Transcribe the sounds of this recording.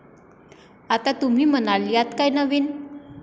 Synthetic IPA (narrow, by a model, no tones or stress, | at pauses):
at̪at̪um̤iːm̤ənaɭijat̪kajnəʋiːn